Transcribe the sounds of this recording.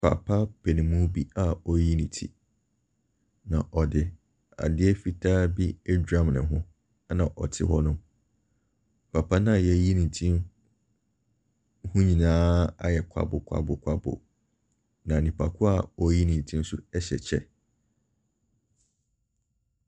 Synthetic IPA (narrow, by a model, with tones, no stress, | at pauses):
pʰa̰˨pʰa˦pʰe˨nĩ˨mũ˦bi˦a˨ɔ˦ji˦nĩ˨tʰḭ˨ | nã˨ʔɔ˨dɪ˨ | a̰˨dɪ˦ɛ˦fi˦tʰaː˦bi˦ɛ˦dã˦mnɪ̰̃˨ɦʊ̃˦ | nã˨ʔɔ˨tʰɪ̰˦ɦɔ˦nʊ̃˦ | pʰa˨pʰa˦nã˦˨jɛ˦ji˦nĩ˨n˨tʰĩ˦m | hʊ̃˦ɲĩ˨nãː˦a̰˦jɛ˨kʷʰa̰˦bʊ˨kʷʰa̰˦bʊ˨kʷʰa˦bʊ̰˨ | nã˨nĩ˨pʰa˨kʰʊ˦a˨ɔ˦ji˦nĩ˨n˨tʰĩ˦n˦sʊ˦ɛ˦ɕɛ˨t͡ɕʰɛ̰˦˨